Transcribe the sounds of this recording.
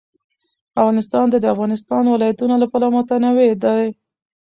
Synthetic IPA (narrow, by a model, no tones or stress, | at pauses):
afɣɑnɪst̪ɑnd̪ad̪əafɣɑnɪst̪ɑnwɪlɑjat̪unalapɑlamɑt̪anawed̪aj